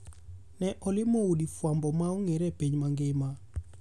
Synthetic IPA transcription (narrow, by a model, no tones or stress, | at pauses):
nɛʔɔlɪmoudifwambɔmauŋeɾɛpeɲmaŋɡɪma